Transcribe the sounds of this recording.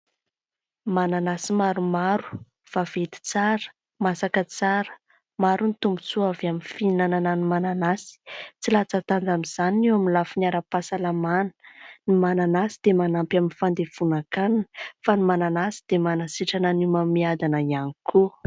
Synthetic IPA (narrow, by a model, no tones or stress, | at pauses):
mananasimaɾumaɾu̥ | v̥av̥et̪i̥t͡saɾə̥ | masakət͡saɾə̥ | maɾunit̪umbu̥t͡suavamifinanananimananasi̥t͡silat͡sat̪and͡zamiz̥aninewaminlafinaɾəpasalamanə̥nimananasid̪̥emanampjaminfand̪ev̥unakannə̥fanimananasi̥d̪̥emanasiʈ͡ʂanənimamiad̪anaianikʰu